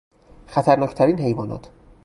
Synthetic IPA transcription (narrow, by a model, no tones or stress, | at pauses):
xæt̪ʰæɾnɒːcʰt̪ʰæɾiːnɦe̞jvɒːnɒ̰ːt̪ʰ